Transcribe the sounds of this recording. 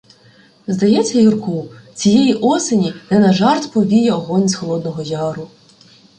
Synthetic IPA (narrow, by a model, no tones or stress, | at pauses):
zd̪ɐjɛt͡sʲːɐjirkut͡sʲijɛjiʔɔsenʲinɛnɐʒɑrt̪pɔbʲijɛɔɦɔnʲsxɔlˠɔd̪nɔɦɔjɑɾʊ